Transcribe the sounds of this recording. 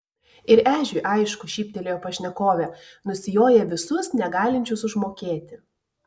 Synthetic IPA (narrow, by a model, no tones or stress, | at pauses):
ɪɾæːʒʲʊʔɐɪʃkʊʃʲiːpʲt̪ʲɛlʲeːjoːpɐʃʲnʲɛkoːʋʲɛ | nʊsʲɪjoːjɛʋʲɪsʊsnʲɛɡɑːlʲɪnʲt͡ʃʲʊsʊʒmoːkʲeːt̪ʲɪ